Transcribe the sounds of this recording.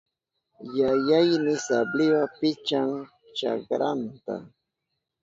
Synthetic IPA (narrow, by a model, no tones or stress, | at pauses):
jajajnɪsablɪwapɪt͡ʃaŋ | t͡ʃa̰kɾant̪a̰